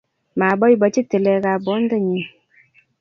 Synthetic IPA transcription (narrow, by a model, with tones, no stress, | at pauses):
ma˨bɔ˦ji˦˨ba˨t͡ʃi˦tə˨lɛ˨ɡa˨bɔ˨˦n˦də˦ɲi˨